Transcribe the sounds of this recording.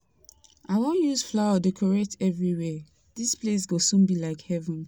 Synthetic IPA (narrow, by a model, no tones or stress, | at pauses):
awõnjuzflaʊədekʰɔɹetʰɛvɹiwɛ | d̥isples̬ɡosũnbilaɪkhɛvə̃n